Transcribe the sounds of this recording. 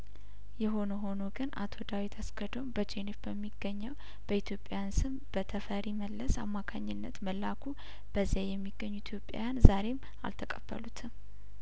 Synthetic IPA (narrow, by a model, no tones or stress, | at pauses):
jɛɦo̞nəɦo̞no̞ɡɨna̰t̪ʰo̞d̪awit̪ʰaskəd̪ombəd͡ʒenefbəmːiɡːəɲːəw | b̥əit̪ʰjopʼa̰jansɨmb̥ət̪ʰəfəɾiməlːəsa̰mːakʰaɲːɪnːət̪məlːakʰu | b̥əzijajɛmːiɡːəɲːuit̪ʰjo̞pʼja̰janzaɾe̞m | a̰lt̪ʰəkʼəb̥ːə̰lut̪ʰɨ